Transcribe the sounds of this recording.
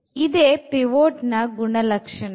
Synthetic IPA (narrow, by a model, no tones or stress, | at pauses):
id̪eːpɾiʋoːʈnɐɡuɳɐlɐkʂɐɳ